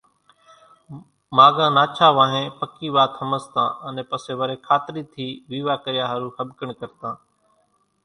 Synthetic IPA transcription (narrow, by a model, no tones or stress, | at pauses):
maːɡãːnaːt͡ʃʰaːʋãːɦẽːpəkiːʋaːt̪həməst̪ãːənẽːpəseːʋəɾeːkʰaːt̪ɾiːt̪ʰiːʋiːʋaːkəɾɪjaːɦəɾũːxʰəbkəɳkəɾt̪ãː